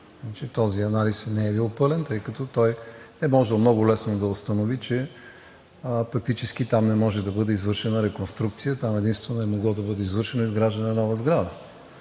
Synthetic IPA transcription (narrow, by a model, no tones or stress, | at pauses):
at͡ʃit̪ɔziɐnalisnɛɛbilˠpɤlɛnt̪ɤjkɐt̪ɔt̪ɔj | ɛmɔʒɛlˠmnɔɡʊlɛsnod̪ɐʊst̪ɐnovit͡ʃɛ | fɐk̚t̪it͡ʃɛsk̟it̪amnɛmɔʒɛd̪ɐbɤd̪ɛizvɤɾʃɛnəɾɛkonst̪ɾukt̪sijət̪amɛd̪inst̪vɛnoɛmoɡlˠɔd̪ɐbɤd̪ɛizvɤɾʃɛnoizɡɾaʒd̪ənɛnɔvəzɡɾad̪ə